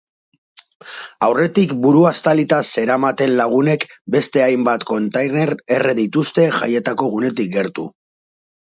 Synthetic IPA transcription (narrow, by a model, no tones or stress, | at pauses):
awre̞t̪ikbuɾuast̪alit̪aseɾamat̪e̞nlaɣ̞une̞kbe̞st̪e̞ajmbat̪ko̞nt̪ajne̞ɾe̞reðit̪ust̪e̞ʝa̰je̞t̪ako̞ɣ̞une̞t̪̬ik̚ɡe̞ɾt̪ṵ